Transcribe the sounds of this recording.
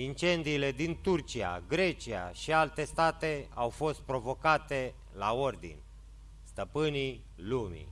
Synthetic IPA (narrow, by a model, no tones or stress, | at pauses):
int͡ʃe̞nd̪iːle̞d̪int̪urt͡ʃia̰ɡɾe̞t͡ʃia̰ʃialt̪e̞st̪at̪e̞awfo̞st̪̚pɾo̞vo̞kat̪e̞ | lao̞rd̪ḭnʲ | st̪əpɨni | lumḭ